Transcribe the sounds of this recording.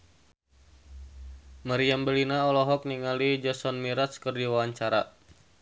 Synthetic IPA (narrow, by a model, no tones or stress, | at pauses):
maɾiambəlinaɔlɔɦɔk̚niŋalid͡ʒɔsɔnmiɾaskərdiwawaɲt͡ʃaɾa